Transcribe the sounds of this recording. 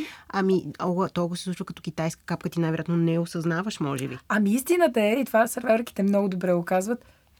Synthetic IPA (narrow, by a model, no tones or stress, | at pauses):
ɐmiɔɡət̪oɡosisˠut͡ʃvəkɐt̪ɔkʲit̪ajskə̥kap̚kət̪inajvɛɾjat̪nonɛosɐznavəʃmɔʒɛbiɐmiist̪inət̪əɛit̪ovasɐɾavɾk̟i̥t̪ɛmnɔɡʊd̪obɾɛokazvət̪